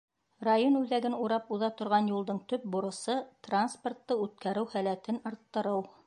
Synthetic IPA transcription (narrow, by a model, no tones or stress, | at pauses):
rajonʉðæɡɘnuɾɑpuðɑt̪ŏɾʁɑnjulˠd̪ɤɴt̪ɵp̚buɾɤ̆sɤt̪ransport̪ːɤʉt̪̚kæɾɘwhælæt̪ɘnŏɾt̪ːɤ̆ɾɤw